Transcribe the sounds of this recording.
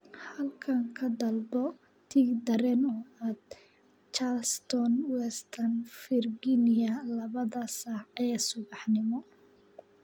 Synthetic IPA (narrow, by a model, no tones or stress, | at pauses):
hɐlkʰɐŋkʰɐd̪ɐlbɔ | t̪ʰiːɡd̪ɐɾɛːnɔːaːd̪̥̚ | t͡ʃast̪ʰɔnwɛst̪ʰɐnfɪrɡinɪjɐlɐβɐðɐsaʕɛːsʊβɑħnɪmɔ